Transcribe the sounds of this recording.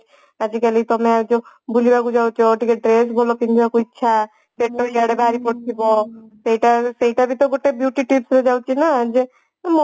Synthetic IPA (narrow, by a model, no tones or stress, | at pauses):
ad͡ʒikɛlit̪ɔmead͡ʒo | bulibakud͡ʒawt͡ʃʰɔʈikeɖɾesbʱɔlopind̪ʱibakuitːʃʰa | peʈːoiaɽebʱaɾipɔɽt̪ʰibɔseɦiʈaseɦiʈabʱit̪ɔɡoʈebjuʈiʈipsɾed͡ʒawt͡ʃʰinad͡ʒe | m